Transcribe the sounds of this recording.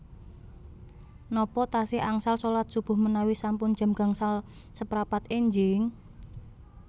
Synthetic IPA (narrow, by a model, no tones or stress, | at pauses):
nɔpɔt̪asɪaŋsalsolat̪̚sub̥ʊ̤hmənawisampʊnd̥ʒ̥a̤mɡ̥a̤ŋsal | səpɾapat̪eɲd͡ʒɪŋ